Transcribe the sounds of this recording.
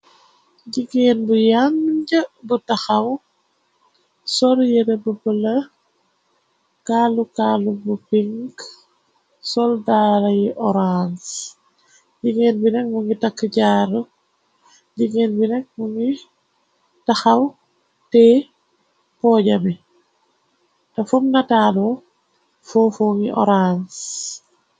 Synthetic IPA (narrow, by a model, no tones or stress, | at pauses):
ɟiɡeːnbujaŋɟɐbutɐxɐw | sɔljəɾebupəlɐ | kaːlukaːlubupiŋk | sɔldaːɾɐjiʔɔɾans | ɟiŋɛnbinɛk̚muŋɡitakːəɟaːɾu | ɟiŋɛnbinɛk̚muŋɡi | tɐxɐw | tɛ | pɔːɟɐmi | tɐfumnɐtaːlɔ | fɔːfɔːŋiʔɔ̰ɾans